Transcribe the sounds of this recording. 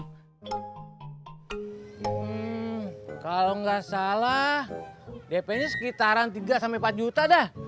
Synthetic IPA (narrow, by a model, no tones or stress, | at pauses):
kaloŋɡasalahdepɛɲasə̥kit̪aɾant̪iɡasampepat̪̚d͡ʒut̪adɛh